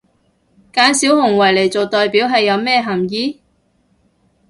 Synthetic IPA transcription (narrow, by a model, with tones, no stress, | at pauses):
kaː˨˧˥nsiː˨˥wɦʊ˨˩ŋwɐ˨˩jle˨˩jt͡so˨wt̪ɔː˨jpiː˨˥wɦɐ˨jːɐ˨˧wmɛː˥˧ɦɐ˨˩mjiː˨˥